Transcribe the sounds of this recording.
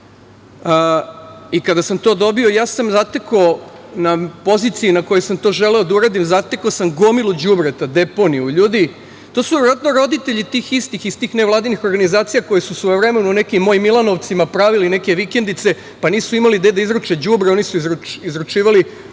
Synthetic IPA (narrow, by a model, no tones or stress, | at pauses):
ikad̪asamt̪o̞ːd̪obio̞jaːsamzat̪ekonapo̞zit̪siinako̞josamt̪o̞ːʒe̞leo̞d̪auɾad̪imzat̪ekosamɡomilud͡ʑubɾet̪ad̪e̞po̞niuʎuːd̪i | t̪osuʋʲeeɾʋat̪noɾo̞d̪it̪e̞ʎit̪iːxist̪ixist̪iːxneʋlˠaːd̪inixo̞ɾɡanizaːt̪sijako̞jesusʋojoʋɾe̞menune̞kimːo̞jimːilˠano̞ʋt̪simapɾaʋiline̞ke̞ʋike̞nd̪it̪se̞ | paniːsuimalid̪ejed̪aizɾut͡ʃed͡ʑubɾeo̞nisuizɾut͡ʃizɾut͡ʃiːʋali